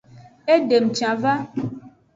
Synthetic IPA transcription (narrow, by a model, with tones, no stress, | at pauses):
e˦ɖe˨m̩˨t͡ʃã˨va˦